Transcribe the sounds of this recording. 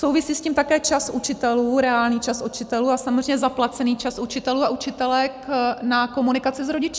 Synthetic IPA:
so̞wvɪsiːscimt̪akɛːt͡ʃasʔut͡ʃɪt̪ɛluːɾɛaːlɲiːt͡ʃasut͡ʃɪt̪ɛluːasamozrɛɲɛzaplat͡sɛniːt͡ʃasut͡ʃɪt̪ɛluːaut͡ʃɪt̪ɛlɛknako̞munɪkat͡sɪzɾo̞ɟɪt͡ʃ

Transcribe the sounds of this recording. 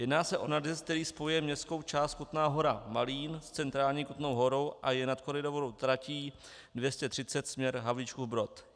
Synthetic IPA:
jɛdnaːsɛʔo̞nadɛsk̚t̪ɛɾiːspo̞jujɛmɲɛst̪ko̞wt͡ʃaːst̪̚kut̪naːɦo̞ɾamaliːnst͡sɛnt̪ɾaːlɲiːkut̪no̞wɦo̞ɾo̞wʔajɛnat̪koɾɪdovoɾowt̪ɾaciː | dvjɛscɛt̪r̥ɪtt͡sɛt̪smɲɛɾɦavliːt͡ʃkuvbɾo̞t̪

